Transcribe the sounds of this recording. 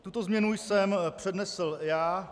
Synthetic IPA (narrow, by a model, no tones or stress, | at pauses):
t̪ut̪o̞zmɲɛnujsɛmpr̝̥ɛdnɛsl̩jaː